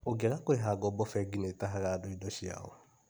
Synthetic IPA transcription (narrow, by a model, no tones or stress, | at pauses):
oɡɛɾakoɾeɦaɡɔbɔfɛɡinetaɦaɣadoidɔʃia̰ɔ̰